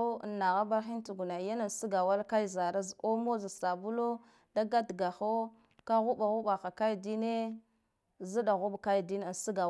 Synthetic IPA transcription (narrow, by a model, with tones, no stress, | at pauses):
nːa˨ɣa˦ba˦ɾxi˦n˦tu˨ɡu˨na˨ja˦na˨n˨si˦ɡa˨wa˦lka˦i˨za˨ɾa˦zo˦mo˦za˨sta˨bu˦lo˦ | da˦ɡa˦dɡa˨xo˦ | ka˦ɣu˦ɓa˨ɣu˦ɓa˨xa˨ka˦jdi˦ne˦ | zi˦ɗa˨ɣu˦ɓka˦jdi˦na˨n˨si˦ɡa˨